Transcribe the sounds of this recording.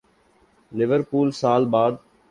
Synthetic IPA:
lɪʋəɾpuːlsaːlbaːd̪

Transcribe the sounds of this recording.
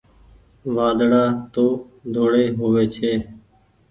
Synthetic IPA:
ʋaːd̪ɽaːt̪oː | d̪ʱoːɽeːɦoːʋeːt͡ʃʰeː

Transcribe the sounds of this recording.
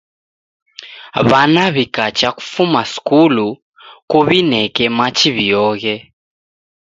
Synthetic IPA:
βanaβikat͡ʃaku̥fumaskulu | kuβinɛkɛmat͡ʃiβijɔɣɛ

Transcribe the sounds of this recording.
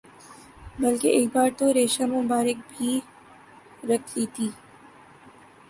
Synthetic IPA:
bɐlkeʔeːk̚baːɾt̪oɾeːʃamʊ̃baːɾɪk̚bʱiː | ɾɐkʰliːt̪ʰiː

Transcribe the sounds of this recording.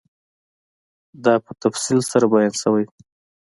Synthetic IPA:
d̪ɑpət̪afsilsaɾabajɑnsawaj

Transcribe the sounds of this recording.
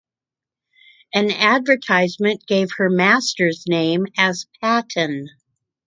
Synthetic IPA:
ɨ̃nædvə˞tʰaɪzmɨ̃nɡ̥eɪv̥hə˞mæstə˞znẽɪ̃mɨz̥pʰæɾɨ̃n

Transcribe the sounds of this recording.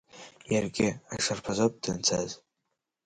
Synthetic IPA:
jarɡʲɪaʂarpʰazop̚ʼdɨnt͡sʰaz

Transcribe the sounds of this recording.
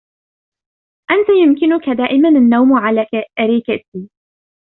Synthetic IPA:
ʔant̪ajʊmkɪnʊkad̪aːʔɪmananːawmʕalaʔaɾikat̪iː

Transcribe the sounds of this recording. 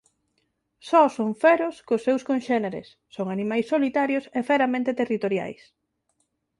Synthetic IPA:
sɔsoɱfɛɾoskʊsːewskonʃɛneɾḛsːoŋanimajsːolit̪aɾjosefeɾamẽnt̪et̪erit̪oɾja̰js

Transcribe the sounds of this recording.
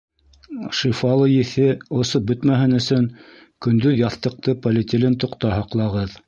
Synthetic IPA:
ʃifɑlˠɤjɘ̆θɘŏsop̚bɵt̪mæɦɘnɵ̆sɵŋ | kɵ̆nd̪ɵðjɑθt̪ɤ̆q̚t̪ɤpɐlʲɪt̪ʲɪlʲɘnt̪ŏqt̪ɑhɑqlˠɑʁɤð

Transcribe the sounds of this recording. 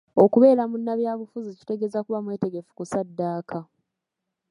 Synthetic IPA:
o̞kuβe̞ːɾamunːaβjaːβufuzici̥te̞ɡe̞ːzakuβamwe̞ːte̞ɡe̞fu̥kusadːaːkʰa

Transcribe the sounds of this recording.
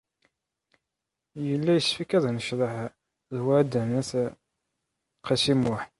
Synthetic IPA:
jəlːæjəsfikːæðˤænəʃɾˤəħ | ðhæd̪ænæθ | qɑsimʊħ

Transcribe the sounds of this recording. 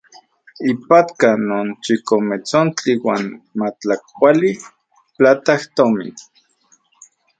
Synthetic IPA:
ipat̪kanoːnt͡ʃikomet͡sont͡ɬiwaːnmat͡ɬakkʷali | plat̪aht̪omḭn

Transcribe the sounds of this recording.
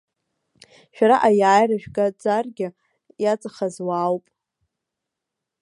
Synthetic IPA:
ʃᶣaɾaʔajaːjraʒᶣɡʼad͡zʼarɡʲɪ | jat͡sʼaχazwaːwpʼ

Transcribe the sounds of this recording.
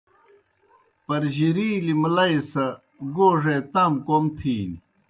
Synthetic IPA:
pɐɾʑiɾiːlimlɐisɐ | ɡoːʐet̪ɐmkomt̪ʰiːni

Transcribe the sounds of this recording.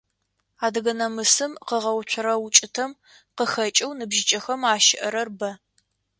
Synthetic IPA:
aːdɐɣɐnɐmɨsɨmqəʁɐwt͡ʃʷʰʊɾɐwʊt͡ʃʼɪtʰɐm | qəxɐt͡ʃʼɐwnɨbʒɪt͡ʃʼɐxɐmaːʃɪʔɐɾɐrbɐ

